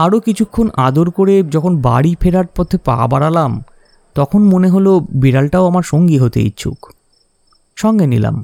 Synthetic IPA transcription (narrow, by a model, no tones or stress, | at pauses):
aɾokit͡ɕʰukʰːonad̪oɾkoɾed͡ʑɔkʰonba̰ɽifʰeɾaɾpɔt̪ʰːepa̰baɽalam | t̪ɔkʰonmoneɦolobiɾalʈaoamaɾʃoŋɡiɦot̪ḛḭtːɕʰṵk | ʃɔŋɡenḭla̰m